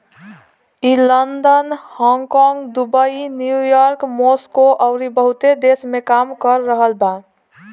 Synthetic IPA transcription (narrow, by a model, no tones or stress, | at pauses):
ilənd̪ənhɔ̃ŋkɔŋɡd̪ubəinjujɔɾkmoskoʔəʊɾibəɦut̪ed̪esmekamkəɾːəɦəlba